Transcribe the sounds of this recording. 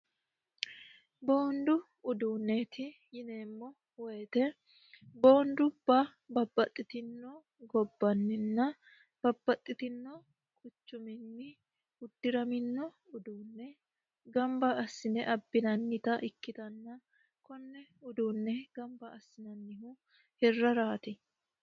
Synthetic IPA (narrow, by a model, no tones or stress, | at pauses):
bo̞ːnd̪ʊ | ʊd̪uːnːet̪ʰɪ | jɪneːmːɔ | wɛjt̪ɛ | bo̞ːnd̪ʊb̥ɐ | bɐbːɐt̪ʼːɪt̪ɪnːɔ | ɡɔbːɐnːɪnːɐ | b̥ɐbːɐt̪ʼːɪt̪ɪnːɔ | kʊt͡ʃːʊmɪnːɪ | ʊd̪ːɪɾɐmɪnːɔ | ʊd̪uːnːɛ | ɡɐmbɐɐsːɪnɛʔɐbːɪnɐnːɪt̪ɐʔɪkːɪt̪ɐnːɐ | kɔnːɛʊd̪uːnːɛɡɐmbɐɐsːɪnɐnːɪhʊ | hɛrːɐɾaːt̪ɪ